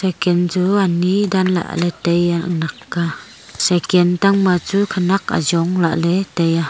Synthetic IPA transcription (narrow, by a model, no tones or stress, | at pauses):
sɛkɛnt͡suanidanla̰ʔlɛtejanakːa | sɛkɛnt̪aŋmat͡sukʰanaka̰zɔŋla̰ʔlɛtɛja